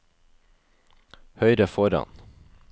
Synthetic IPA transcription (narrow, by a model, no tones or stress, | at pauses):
hœʏɾəfɔɾɑ̰n